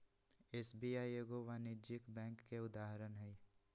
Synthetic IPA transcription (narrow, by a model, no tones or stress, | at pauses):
eːsbiːaːieɡoʋanɪd͡ʒɪkbɛ̃ːŋkːeʊd̪aːɦɾənɦɛi